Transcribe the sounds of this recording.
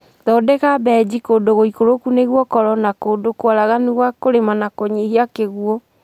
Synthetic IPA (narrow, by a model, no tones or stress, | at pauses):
ðɔdɛkabɛd͡ʑikoːndoɣoikoɾokuneɣwɔkɔɾɔnakoːndokwaɾaɣaniɣwakoɾemanakɔɲehiakeɣuɔ